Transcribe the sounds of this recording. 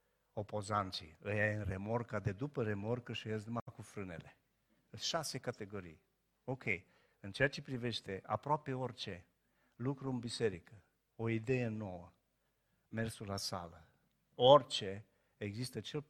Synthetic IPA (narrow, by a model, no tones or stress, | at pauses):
o̞po̞zant̪sḭɨjajɨnremo̞rkad̪e̞d̪upəɾe̞mo̞rkəʃiɨjas̬d̪umakufɾɨne̞̰le̞ | ʃase̞kat̪e̞ɡo̞ɾḭj | o̞kʰʲe̞j | ɨnt͡ʃe̞at͡ʃe̞pɾive̞ʃt̪e̞ʔa̰pɾoape̞o̞rt͡ʃe̞ | lukɾuɨnbise̞ɾikə | o̞id̪e̞je̞no̞wə | me̞rsulasa̰lə | ort͡ʃe̞ | eɡzist̪ət͡ʃe̞l